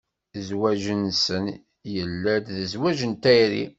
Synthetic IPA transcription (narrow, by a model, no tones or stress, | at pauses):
zwæʒənsən | jəlːæd̪ðəzwæʒənt̪æjɾḭ